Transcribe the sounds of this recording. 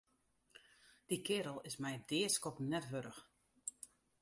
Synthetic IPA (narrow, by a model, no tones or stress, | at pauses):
d̥ikɪːɾəlˠɪsmɛjdɪːskɔpnɛtʋøɾəx